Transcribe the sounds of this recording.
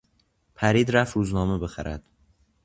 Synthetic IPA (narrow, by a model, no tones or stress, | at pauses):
pʰæɾiːd̪ɾæfɾuːznɒːmebe̞xæɾæ̰d̪̥